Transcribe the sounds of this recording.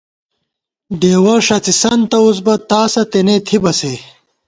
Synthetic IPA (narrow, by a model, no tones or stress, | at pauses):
ɖeːwɐʂɐt͡sisɐnt̪ɐos̬bɐt̪aːsɐt̪enet̪ʰibɐse